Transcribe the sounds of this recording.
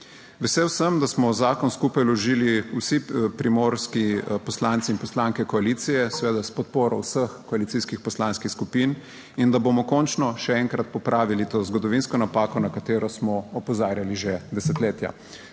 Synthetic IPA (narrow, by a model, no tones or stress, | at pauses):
ʋɛseːwsəmd̪asmɔzaːkɔnskupajlɔʒiːliusipɾimoːɾskipɔslant̪siːnpɔslaŋkɛkɔaliːt̪sijɛsɛʋeːd̪aspɔt̪̚poːɾɔwsəxkɔalit̪iːskixpɔslaːnskixskupiːn | ind̪abomɔkɔːnt͡ʃnɔʃɛɛŋkɾat̪̚pɔpɾʔaːʋilit̪oːzɡɔd̪ɔʋinskɔnapaːkɔnakat̪eːɾɔsmɔɔpɔzaːɾjaliʒed̪ɛsɛt̪leːt̪ja̰